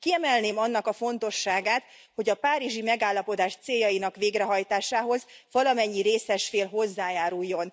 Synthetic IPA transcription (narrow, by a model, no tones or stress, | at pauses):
kiɛmɛlneːmɒnːɒkɒfo̞n̪t̪o̞ʃːaːɡaːt̪ | ho̞ɟɒpaːɾiʒimɛɡaːlːɒpo̞d̪aːʃt̪seːjːɒjinɒkʋeːɡrɛɦɒjt̪aːʃaːɦo̞zvɒlɒmɛɲːiɾeːsɛʃfeːlɦo̞zːaːjaːɾujːo̞n